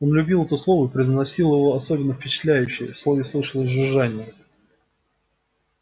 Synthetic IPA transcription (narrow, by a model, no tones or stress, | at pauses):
o̞nlʲʉbʲilˠɛt̪ʊslˠo̞vʊɪpɾʲɪznɐsʲilˠjɪvo̞ɐso̞bʲɪnːəfpʲɪt͡ɕɪ̥t̪lʲæjʉɕːɪjəslˠovʲɪslˠɨʂəlˠəzʲʐɨʐanʲɪjə